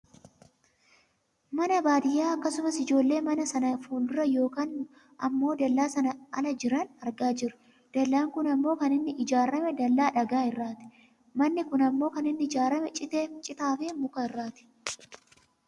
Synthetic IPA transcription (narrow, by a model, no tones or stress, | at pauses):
mɐnɐbaːd̪ɪjːaːɐkːɐsʊmɐsɪd͡ʒo̞ːlːe̞ːmɐnɐsɐnɐfuːld̪ʊɾɐjo̞ːkaːn | ʔɐmːo̞ːd̪ɐlːaːsɐnɐɐ̰lɐd͡ʒɪɾɐnɐɾɡaːd͡ʒɪɾʊ | d̪̥ɐlːaːŋkʊnɐmːo̞ːkɐnɪnːɪɪd͡ʒaːɾɐmɛd̪ɐlːaːᶑɐɡaːhɪrːaːt̪ɛ̥ | mɐnːɪkʊnɐmːo̞ːkɐnɪnːɪɪd͡ʒaːɾɐmɛt͡ʃʼɪt̪eːt͡ʃʼɪt̪aːfeːmʊkɐhɪrːaːt̪ɪ̥